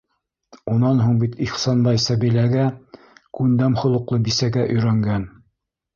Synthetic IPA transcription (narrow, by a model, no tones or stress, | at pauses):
unɑnɦuɴbit̪iχsɑnbɑjsæbilæɡæ | kʉnd̪æmχŏlˠɤ̆qlˠɤbisæɡæʔɵ̆jɾæŋɡæn